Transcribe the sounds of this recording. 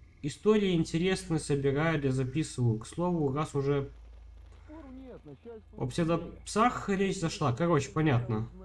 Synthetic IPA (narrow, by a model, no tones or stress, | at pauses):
ɪst̪oɾʲɪəɪnʲtʲɪɾʲe̞snəsəbʲɪɾajəd̪lʲazɐpʲisɨvəjʊkslˠovʊrasʊʐɛ | o̰psʲed̪əpsaxɾʲet͡ɕzɐʂlˠakɐɾo̞t͡ɕpɐnʲat̪nə